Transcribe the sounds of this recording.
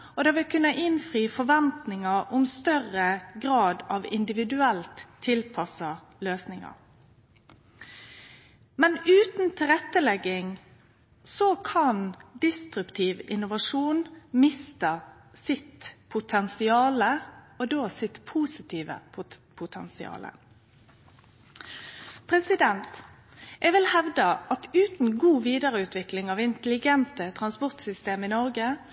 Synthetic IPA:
ɔd̪ɛːʋɪlkʰʉnːəʔɪnfʁiːfɔʋɛnt̪nɪŋɑɾʊmst̪œʁəɡʁɑːd̪ɑʋɪ̰nd̪ɪʋɪd̪ʉɛlt̪ʰːɪlpʰɑsɑ | løːsnɪŋɑ̰ɾ | mɛnʉːt̪n̩t̪ʰɪlɾɛt̪ːəlɛɡːɪŋ | sɔkʰɑnd̪ɪst̪ɾʉpt̪ʰiːʋɪnʊʋɑʂuːnmɪst̪ə | sɪt̪pʰʊt̪ʰɛnsɪɑːlə | ɔd̪oːsɪt̪pʰuːsɪt̪ʰiːʋə̰pʰʊt̪ʰɛ̰nsɪɑ̰ːlə̰ | pʰɾɛsɪd̪ɛnt̪ | ʔɛʋɪlhɛʋd̪əʔɑt̪ʉːt̪n̩ɡuːʋiːd̪əʁəʉːt̪ʰʋɪklɪŋɑʋɪnt̪əlɪɡɛnt̪ət̪ʰʁɑnspɔʁt̪sʏst̪eːmɪnɔʁɡə

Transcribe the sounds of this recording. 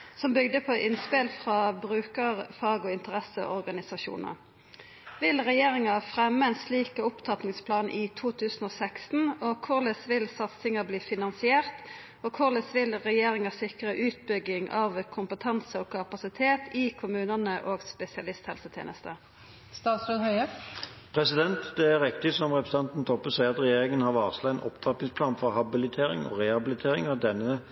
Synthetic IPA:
sɔmbʏɡd̪əpʰɔʔɪnspɪlfʁɑːbʁʉːkəʁfɑːɡɔɪnt̪əʁɛsəʔɔʁɡɑnɪsɑʃṵːnə̰ | ʋɪlʁɛjeːʁɪŋɑfʁɛmːəɛnsliːkəʊpt̪ʰɑt̪nɪŋspʰlɑːnʔit̪ʰuːt̪ʰʉːsn̩oːsɛkst̪n̩ɔkʰʊʁlɛsʋɪlsɑt̪sɪŋɑbliːfɪnɑnsɪeːʁt̪ | ɔkʰʊʁlɛsʋɪlʁɛjeːɾɪŋəsɪkʁəʔʉːt̪̚bʏɡːɪŋʔɑʋkʰʊmpət̪ʰɑnsəɔːkʰɑpɑsɪt̪ʰeːt̪ɪkʰʊmʉːnənəʔoːɡspɛsɪɑlɪst̪hɛ̰lsət̪ʰjḛːnəst̪ə | st̪ɑːt̪sɾoːd̪hœʏəpʰʁɛsɪd̪ɛnt̪d̪ɛæʁɛkt̪ɪsɔmʁɛpɾəs̩ɑnt̪n̩t̪ʰɔpːəsæɪɑt̪ʁɛjeːʁɪŋənhɑʁʋɑːʋslɑɛnʔɔ̰pt̪ʰɑt̪nɪŋspʰlɑːnfɔʁhɑbɪlɪt̪ʰeːʁɪ̰ŋɔ̰ʁɛhɑbɪlɪt̪ʰeːɾɪŋɑʋd̪ɛnːə

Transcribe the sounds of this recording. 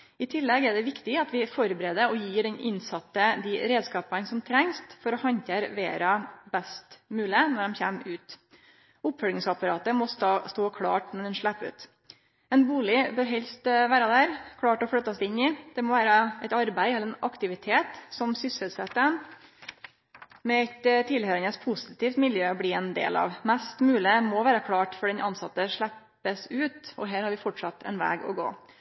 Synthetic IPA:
ɪt̪ʰɪlːɛɡɛɖɛʋɪkt̪ɪɑt̪ʋɪfɔɾbɾeːd̪əɾɔjiːɖɛnɪ̰nsɑt̪ːəd̪ɪɾeːd̪skɑːpɑnsɔmt̪ʰɾɛŋst̪fɔɾɔhɑnt̪əɾʋḛːɾɑbɛst̪mʉːlɪənɔɖɛmçæːmʉːt̪ | ʊpfœlɪŋsɑpɑɾɑːt̪əmɔst̪ɑːst̪oːkʰɽɑ̰ːʈmɔd̪ɛnʂɭæpːʉ̰ːt̪ | ɛnbuːlɪbœːɾɦɛlst̪ʋæːɾɑd̪æːɾkʰɽɑːʈɔfɽœt̪ːɑsd̪ɪnːɪd̪̥ɛmɔʋæːɾəɛɪt̪ɑɾbæɪɛlːəɾɛnɑkt̪ɪʋɪt̪ʰeːt̪sɔmsʏshəlsɛt̪ːə | mɛæɪt̪t̪ʰɪlhøːɾənəspʰʊsɪt̪iːft̪mɪljøːɔbliːɛnd̪ḛːlɑ̰ʋmæst̪mʉːlɪmɔʋæːɾəkʰɽɑːʈfɔɖɛnʔɑnsɑt̪ːəʂɭæpː | əsʉːt̪ɔɦæːɾhɑɾʋɪfɔʈʂɑt̪ːɛ̰nʋæ̰ːɡɔ̰ɡo̰ː

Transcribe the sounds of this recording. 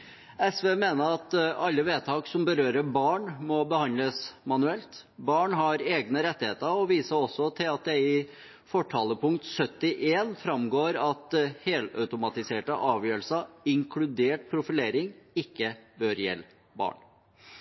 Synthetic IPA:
ɛsʋeːmeːnəɾɑt̪ɑlːəʋeːt̪ʰɑːksɔmbəɾøːɾəbɑːɳmɔbəhɑnləsmɑnʉɛlt̪bɑːɳɦɑɾeːɡnəɾɛt̪ːɪheːt̪əɾɔʋiːsəɔsːɔt̪ʰɪlɑt̪̚d̪ɛɪ | fɔʈʰɑːləpʰʊŋkt̪sœt̪ːɪʔeːnfɾɑmɡoːɾɑt̪heːlœ̰ʉt̪ʊmɑt̪ɪseːʈəʔɑːʋjøːɾəlsɑɪŋkʰlʉd̪eːʈ̚pʰɾʊfɪleːɾɪŋɪkːəbøːɾjɛ̰lː | bɑ̰ːɳ

